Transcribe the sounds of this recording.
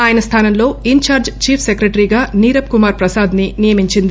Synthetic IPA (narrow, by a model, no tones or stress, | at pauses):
aːjɐnɐst̪ʰaːnɐmlo̞ːiɲt͡ʃaːɾd͡ʒt͡ʃiːpʰsekɾeʈɐɾiːɡaːniːɾɐp̚kumaːɾpɾɐsaːd̪ninijɐmiɲt͡ʃind̪i